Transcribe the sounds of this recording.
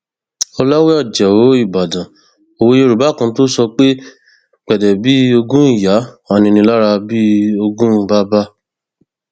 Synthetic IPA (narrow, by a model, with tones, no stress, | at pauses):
ɔ˧lɔ˦we˦ɔ˦˨d͡ʒɛ˨wo˨˦i˦˨ba˨dã˨ | o˧wo˧je˧ɾu˨ba˨˦˨kã˧˦to˦sɔ˧k͡pe˦ | k͡pɛ˨dɛ˨bi˦o˧ɡũ˦i˦˨ja˨˦ | a˨˧˦nĩ˧nĩ˧la˦ɾa˧bi˦o˧ɡũ˦˧ba˦ba˦